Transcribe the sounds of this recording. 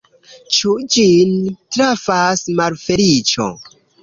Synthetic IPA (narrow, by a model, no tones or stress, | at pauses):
t͡ʃud͡ʒintɾafasmalfe̞ɾit͡ʃo̰